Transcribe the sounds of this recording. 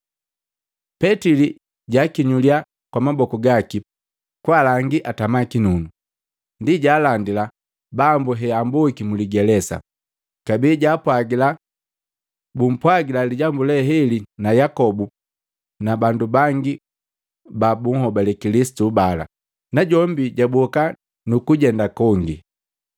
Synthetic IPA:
pɛtili | ɟaːkiɲulia | kwamabɔkɔɡaki | kwalaŋɡiʔatamakinunu | ndiɟaːlandila | bambuɦɛambukimuliɡɛlɛsa̰ | kabiːɟaːpwaɡila | bum̩pwaɡilaliɟambulɛɦɛlinajakɔbu | nabandubaŋɡi | babuŋ̩hɔbalɛkilisi̥tubala̰ | naɟɔmbiɟabwɔka | nukuɟɛndakɔŋɡḭ

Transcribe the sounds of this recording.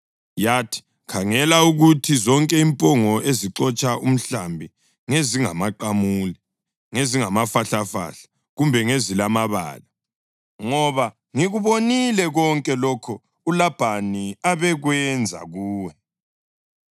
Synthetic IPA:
jaːtʰi̥ | kʰaŋɛlauɣutʰizɔŋkʼɛimpʼɔŋɔeziǁɔt͡ʃʼaʔum̩ɬambʱi | ŋeziŋa̰maǃamuːlɛ | ŋeziŋamafaɬafa̰ɬḁ | ɣumbʱɛŋezilamaβa̰ːla | ŋɔβa | ŋiɣuβonilɛɣɔŋkʼɛlɔkʰɔ | ulab̥ʱaniaβɛɣwɛnd͡zʱa̰ɣuːwɛ

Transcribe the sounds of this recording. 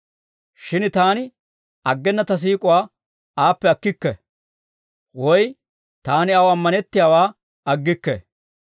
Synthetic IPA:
ʃɪnt̪aːnɪ | ɐɡːɛnːɐt̪ɐs̬iːkʼʊwaː | aːpːɛɐkːɪkːɛ | wɔj | t̪aːnɪɐwɐmːɐnɛt̪ːɪjaːwaː | ɐɡːɪkːɛ̰

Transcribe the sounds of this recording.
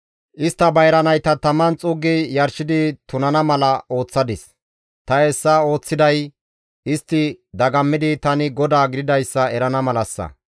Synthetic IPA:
ʔɪst̪ːɐbɐjɾɐnɐjt̪ɐt̪ɐmːɐnt͡sʼʊɡːɪjɐɾʃɪd̪ɪt̪ʊnɐnɐmɐlɐo̞ːt͡sːɐd̪ɪs | t̪ɐɛsːɐo̞ːt͡sːɪd̪ɐj | ɪst̪ːɪd̪ɐɡɐmːɪd̪ɪt̪ɐnɪɡɔd̪aːɡɪd̪ɪd̪ɐjsːɐɛɾɐnɐmɐlɐsːɐ̰

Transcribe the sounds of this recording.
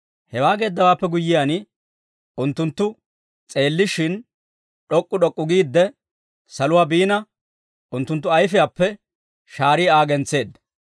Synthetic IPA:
hɛwaːɡe̞ːd̪ːɐwaːpːɛɡʊjːɪjan | ʊnt̪ːʊnt̪ːʊ | t͡sʼe̞ːlːɪʃɪn | ɗɔkʼːʊɗɔkʼːʊɡiːd̪ːɛ | sɐlʊwaːbiːnɐ | ʔʊnt̪ːʊnt̪ːʊɐjfɪjaːpːɛ | ʃaːɾiːaːɡɛnt͡sːe̞ːd̪ːɐ̥

